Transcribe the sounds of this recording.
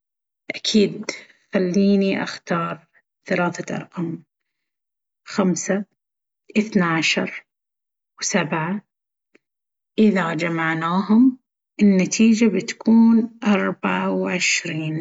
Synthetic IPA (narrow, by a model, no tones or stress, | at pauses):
ʔakʰiːd̪ | xalːiːniʔa̰xt̪ɑːɾˤ | θalaːθaʔɑ̰ɾˤʔɑm | xamsa | ʔɪθnaʕaʃɑɾˤ | wsabʕa | ʔɪðad͡ʒamaʕnaːɦʊm | ʔɪnːat̪ʰiːd͡ʒabɪt̪kʰuːnʔɑɾˤbaʕawʕɪʃɾiːn